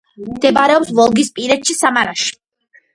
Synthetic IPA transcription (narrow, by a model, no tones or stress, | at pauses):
md̪̥ɛbaɾɛɔpsvɔlˠɡispʼiɾɛt̪ʃisamaɾaʃi̥